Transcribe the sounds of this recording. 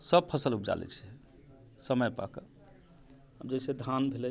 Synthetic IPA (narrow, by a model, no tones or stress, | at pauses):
səb̚pʰəsəlup̚d͡ʒa̰lɛ̰t͡ʃʰɛ | səməjpa̰kə | əbd͡ʒesed̪ʱanbʱelɛ